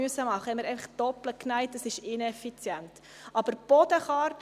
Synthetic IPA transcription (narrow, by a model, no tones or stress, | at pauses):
yəsːəmɑχəɛnməɾɛɪfəχd̥ɔpləknæɪt̚dɑsɪʃɪnɛfit͡sjɛnt | ʔɑbəɾb̥ɔd̥əχɑrt